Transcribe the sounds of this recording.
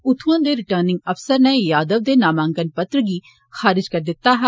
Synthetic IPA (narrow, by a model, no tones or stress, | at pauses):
ʊt̪ʰũãːd̪eːɾɪʈəɾnɪ̃ŋɡəfsəɾnɛːjaːd̪əʋd̪eːnaːmãːŋɡənpət̪ɾəɡiː | xaːɾɪd͡ʒkəɾd̪ɪt̪ːaːɦaː